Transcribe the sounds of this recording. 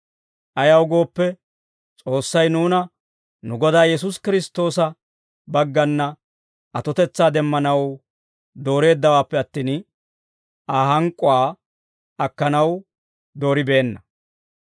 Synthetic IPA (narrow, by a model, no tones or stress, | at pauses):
ʔɐjɐwɡo̞ːpːɛ | t͡sʼo̞ːsːɐjnuːnɐ | nʊɡɔd̪aːjɛs̬ʊskɪɾɪst̪o̞ːsɐ | bɐɡːɐnːɐ | ʔɐt̪ɔt̪ɛt͡sːaːd̪ɛmːɐnɐw | d̪o̞ːɾe̞ːd̪ːɐwaːpːɛɐt̪ːiːn | ʔaːɦɐŋkʼːʊaː | ɐkːɐnɐw | d̪o̞ːɾɪbe̞ːnːɐ